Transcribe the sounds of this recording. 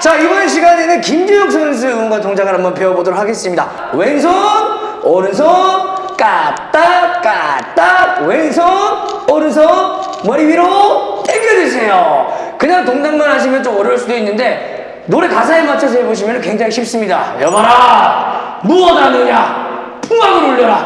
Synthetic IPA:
t͡ɕaibʌneɕ̬ʰiɡanenɯnkimd͡ʑijʌk̚s͈ʰʌns̬ʰɯoŋɡatoŋd͡ʑaɡɯɾɦambʌnpe̞ʌbodʌɾok̚ʰaɡe̞s͈ɯmɲida | we̞ŋs̬ʰonʌɾɯns̬ʰʌk͈at͈ak͈at͈aweŋsʰonʌɾɯns̬ʰʌ | mʌɾibiɾoteɡʰʌdwesʰe̞jokɯɲaŋtoŋd͡ʑaŋmanɦaɕ̬ʰimjʌnt͡ɕomʌɾjʌɭs͈udoinːɯnde̞ | noɾekas̬ʰaemat͡ɕʰʌs̬ʰʌɦeboɕ̬ʰimjʌnɯnkwe̞ŋd͡ʑaŋiɕʰip̚s͈ɯmɲida̰jʌmaɾa | muʌdanɯɲa | pʰuŋɦaɡɯɾoɭːʌɾa

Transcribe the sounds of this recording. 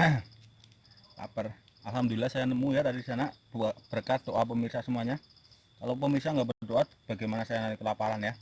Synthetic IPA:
a̰pər | alɦamd̪uilahsajanəmujat̪adidisanab̥uab̥ərkat̪̚oʔap̬əmirsasəmuaɲa | kalop̬əmirsaŋɡaʔbərnad̪oat̪̚b̥aɡajmanasajanaikəlapaɾanja

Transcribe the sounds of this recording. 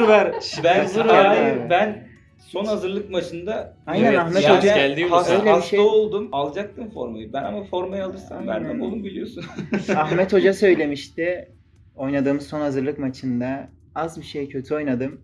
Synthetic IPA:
ɾvæɾbænzuɾjbæn | so̞nhazɯɾlˠɯkmat͡ʃʰɯnd̪aajnænaxmɛod͡ʒaælʲd̪iajlʲeiʃeaolˠd̪umalˠd͡ʒak̚t̪ɯmfo̞̰ɾmajɯbænamafo̞ɾmajɯalˠɯɾsambæ̰ɾd̪ænolˠumbilʲijosunaxmɛt̪ho̞d͡ʒasø̞jlʲe̞miʃt̪ɪ | o̞jnad̪ɯːmɯzso̞nhazɯɾlˠɯkmat͡ʃʰɯnd̪a | azbiʃejcʰø̞t̪ʰyo̞jnad̪ɯm

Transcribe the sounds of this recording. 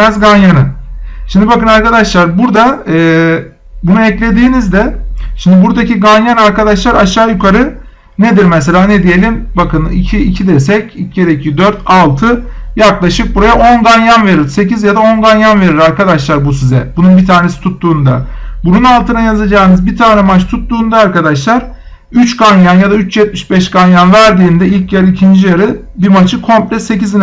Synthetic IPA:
ɛzɡanjanɯʃimd̪ibakɯnaɾkad̪aʃlˠaɾbuɾd̪aɯː | bunuɛclʲe̞d̪iːnizd̪ɛʃimd̪ibuɾd̪acʰiɡanjanaɾkad̪aʃlˠaɾaʃaːjukʰaɾɯ | ned̪iɾmɛs̬e̞lʲaːned̪ije̞lʲimbakʰɯnḭcʰiːcʰid̪ɛɾsɛcicɟeɾecʰid̪øɾt̪ʰalˠt̪ʰɯjaklˠaʃɯk̚buɾajao̞nɡanjanve̞ɾiɾse̞cizjad̪ao̞nɡanjanve̞ɾiɾaɾkad̪aʃlˠaɾbusizɛbununbit̪ʰaːnesi̥t̪ʰut̪ːuːnd̪a̰bununalˠt̪ʰɯnajazad͡ʒaːɯnɯzbit̪ʰaːnɛmat͡ʃt̪ʰut̪ːuːnd̪aːɾkad̪aʃlˠaɾ | yt͡ʃkʰanjanjad̪ayt͡ʃjɛt̪̚miʃbɛʃkanjanvæɾd̪iːnd̪ɛilʲcjaɾɯicʰind͡ʒijaɾɯ | bimat͡ʃʰɯkʰo̞mplʲɛse̞cizin

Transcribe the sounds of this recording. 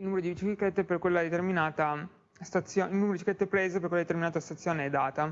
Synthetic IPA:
ilnuːmeɾod̪ibit͡ʃiket̪ːeperkwelːad̪et̪erminaːt̪a | st̪at̪sːjoːilnumeɾod̪it͡ʃiket̪ːepɾeːzepeɾrkweldet̪erminaːt̪ast̪at̪sːjoːneɛd̪aːt̪a

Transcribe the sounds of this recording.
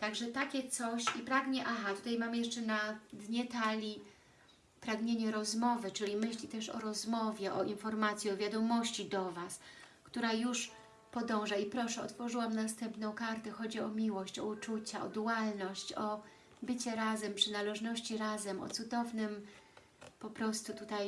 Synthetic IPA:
t̪aɡʐɛt̪akʲɛt̪sɔɕipɾaɡɲɛʔaɦat̪u̥t̪ajmamjɛʂt͡ʂɛnad̪ɲɛt̪alʲi | pɾaɡɲeɲɛɾɔzmɔvɘt͡ʂɘlʲimɘɕlʲit̪ɛʂɔ̰ɾɔzmɔvʲjɛʔɔinfɔɾmat̪sʲjiɔvʲjad̪ɔmɔɕt͡ɕid̪ɔvaskt̪uɾajuʂ | pɔd̪ɔ̃w̃ʐaipɾɔʂɛɔ̰t̪fɔʐɘwamnast̪ɛmpnɔ̃w̃kaɾt̪ɛxɔd͡ʑiɔmʲiwɔɕt͡ɕɔ̰ut͡ʂut͡ɕaɔ̰d̪uwalnɔɕt͡ɕɔ | bɘt͡ɕɛɾazɛmpʂɘnalɛʐnɔɕt͡ɕiɾazɛmɔ̰t̪sud̪ɔvnɘm | pɔpɾɔst̪ut̪ut̪aj

